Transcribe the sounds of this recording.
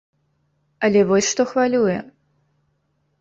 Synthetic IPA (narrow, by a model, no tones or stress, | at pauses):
ɐlʲɛvɔsʲʂt̪ɔxvalʲujɛ